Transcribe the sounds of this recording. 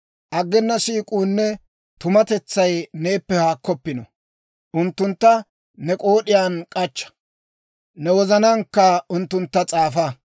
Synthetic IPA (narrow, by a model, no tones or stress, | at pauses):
ʔɐɡːɛnːɐsiːkʼuːnːɛ | t̪ʊmɐt̪ɛt͡sːɐjne̞ːpːɛhaːkːɔpːɪnɔ̰ | ʔʊnt̪ːʊnt̪ːɐ | nɛkʼo̞ːɗɪjaːnkʼɐt͡ʃːɐ̥ | nɛwɔzɐnɐŋkːɐʊnt̪ːʊnt̪ːɐt͡sʼaːfɐ